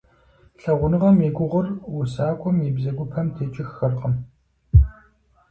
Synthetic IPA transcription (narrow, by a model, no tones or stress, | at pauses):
ɬɐʁʷʊnɨʁɐmeːɡʷʼʊʁʷʊrusaːkʷʼɔmibzɐɡʷʊpʰɐmtʰeːt͡ʃʼɪxːɐrqəm